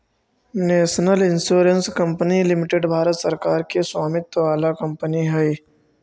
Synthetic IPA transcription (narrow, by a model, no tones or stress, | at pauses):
neːsnəlɪnsuːɾənskɐ̃mpənilɪmɪʈeɖbʱaːɾət̪səɾkaːɾkeswaːmɪt̪ːʋaːlakɐ̃mpəniɦɛj